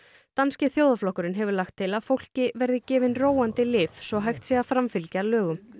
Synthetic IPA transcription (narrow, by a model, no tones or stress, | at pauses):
t̪anscɪθjowðaflɔhkʏɾɪnɦɛvʏɾlaxt̪ʰːɪlaðfowl̥cɪvɛɾðɪcɛːvɪnroːwant̪ɪlɪːfsɔɣɦajxt̪sjɛɣafɾamfɪlcalœːɣʏm